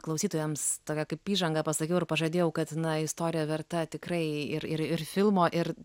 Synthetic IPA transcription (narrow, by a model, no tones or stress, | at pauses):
klˠɐʊsʲiːt̪oːjɛmst̪oːkʲɛkɐɪpiːʒɐŋɡɐpɐsɐkʲɛʊɪrpɐʒɐd̪ʲeːjɛʊkɐt̪nɐɪst̪oːɾʲɪjɛːʋʲɛɾt̪ɐt̪ʲɪkɾɐɪɪɾɪɾɪrfʲɪlˠmoːʔɪɾ